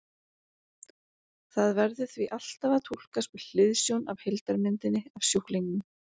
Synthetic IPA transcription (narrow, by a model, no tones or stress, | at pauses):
θaðvɛɾðʏθviʔal̥t̪avat̪ʰul̥kaspʏl̥ɪðsjownavhɪlt̪aɾmɪnt̪ɪnːɪav̥sjohkliŋkʏm